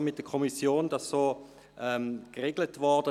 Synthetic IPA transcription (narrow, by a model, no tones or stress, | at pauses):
mɪt̚d̥əkʰɔmisjoːndɑsːoː | ʔɛmkʁeɡlətvɔʁd̥ə